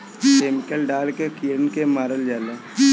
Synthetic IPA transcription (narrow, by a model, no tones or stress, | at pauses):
keːmɪkəlɖaːlkekiːɾənkemaːɾəld͡ʒaːle